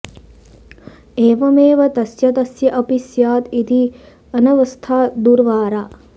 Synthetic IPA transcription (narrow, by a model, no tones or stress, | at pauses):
eːʋɐmeːʋɐt̪ɐsjɐt̪ɐsjɐʔɐpisjaːt̪it̪i | ɐnɐʋɐst̪ʰaːd̪uɾʋaːɾa